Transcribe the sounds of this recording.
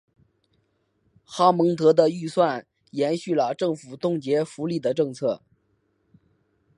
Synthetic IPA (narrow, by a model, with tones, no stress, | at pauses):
xɑ˥mɤ˧˥ŋt̪ɤ˧˥d̪ə˧y˥˧swa˥˩n | jɛ˧˥nɕy˥˩lə˩ʈ͡ʂɤ˥˩ŋfu˨˩t̪ʊ˥˩ŋt͡ɕjɛ˧˥fu˧˥li˥˩d̪ə˩ʈ͡ʂɤ˥˧ŋt͡sʰɤ˥˩